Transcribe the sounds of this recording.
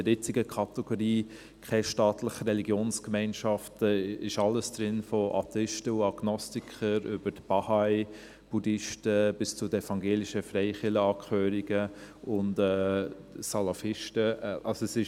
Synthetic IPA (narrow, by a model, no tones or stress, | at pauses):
əɾjɪt͡siɡəkʰɑtɛɡ̥oɾiː | kʰɛʃtɑːtləχrɛliɡjoːnskmɛɪnʃɑftəɪʃɑlːəsd̥ɾɪnfɔʔɑ̰tɛɪʃtəuɑɡ̥nɔstikʰəɾʏbəɾtb̥ɑhaɪ | b̥udɪʃtəb̥ɪst͡sʊdəɛfɑŋɡeːliʃəfrɛɪχɪləɑːkχøːɾiɡəʊndɛːsɑlɑfɪʃtəʔɑlsoɛsɪʃ